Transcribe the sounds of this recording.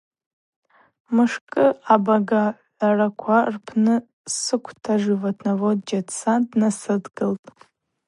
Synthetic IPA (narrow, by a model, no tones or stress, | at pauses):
mɨʂkʼɨabaɡaʕ | arakʷʰarpʰnɨ | sɨkʷʰtʰaʐɨvatʰnavodd͡ʒatt͡sʰandnasɨdɡɨltʼ